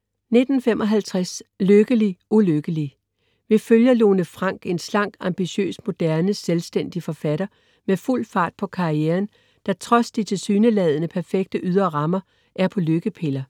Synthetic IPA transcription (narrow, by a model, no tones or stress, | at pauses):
ne̝d̥n̩femʔɒ̽ɦælt͡sʰʁasløɡ̥əliʔuløɡ̥əli | ʋe̝føljɐlo̝ːnəfʁɑ̈ŋ̰ɡ̥e̝nslɑ̈ŋ̰ɡ̥ɑ̈mb̥iɕø̰ːsmo̝d̥æɐnəselsd̥en̰d̥ifɒ̽fæɾ̥ɐ | meful̰fɑ̈ːd̥̚pʰɒ̽kʰɑ̈ieːɐn | d̥ɑ̈t͡sʰʁɒ̽sd̥it͡sʰe̝lsyːnəlɛð̞ˠnəpʰæɐfeɡ̥̚d̥əʔyð̞ˠɐʁɑ̈mɐ | ʔæɐpʰɒ̽løɡ̥əpʰe̝lɐ